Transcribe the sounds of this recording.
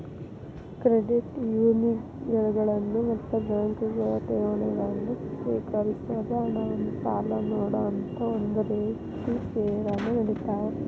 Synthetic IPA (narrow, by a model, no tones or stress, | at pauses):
kɾeɖiʈjuːni | ɡɐɭuɡɐɭɐnːumɐt̪ːubaːŋkuɡɐɭɐt̪eːʋɐɳeɡɐnːusʋiːkɐɾisɐd̪ɐnɐʋɐnːukaːlɐnoːɽɐːnt̪ɐond̪ɐɾeː | t̪iseːɾanːɐnɐɽit̪aːe